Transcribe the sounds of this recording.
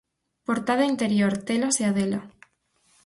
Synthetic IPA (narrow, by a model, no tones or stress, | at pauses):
poɾt̪að̞aint̪eɾjoɾt̪eloseaðelo